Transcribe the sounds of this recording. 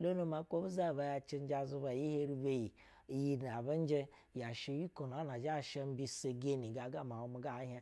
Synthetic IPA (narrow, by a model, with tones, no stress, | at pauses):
lo˦nu˦ma˨˦ko˦bu˦za˦˨ba˨˧˦ja˧t͡ʃe˦n˦d͡ʒa˦˨zu˧ba˨ji˦he˦ɾi˦be˦ji˨ | ji˦na˨ba˦n̩˦d͡ʒe˦ | ja˨ʃe˧˦wi˦ko˨n˨a˦na˨d͡ʒa˦˨ʃe˦m̩˦bi˧se˨ɡe˦ni˨ɡa˨ɡa˦˨m˨a˨wo˦mi˨ɡa˦˨˦ɦʲa˦